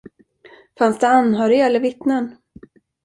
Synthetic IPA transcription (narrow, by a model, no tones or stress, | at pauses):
fansd̪ɛanːhœːɾɪɡaɛlːəɾvɪt̪nən